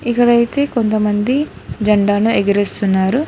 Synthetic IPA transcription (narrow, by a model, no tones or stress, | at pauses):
ikːɐɽɐjt̪e̞ːko̞nt̪ɐmɐnd̪i | d͡ʒɐɳɖaːnueɡiɾest̪unːaːɾu